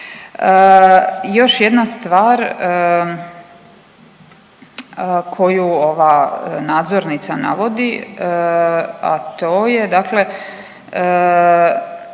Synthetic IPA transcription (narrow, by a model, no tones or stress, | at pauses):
ə | jo̞ʃjed̪nast̪ʋaːɾ | kʰo̞juoʋaːnaːd̪zo̞ɾnit̪sana̰ʋo̞d̪i | a̰t̪oːje̞d̪akle̞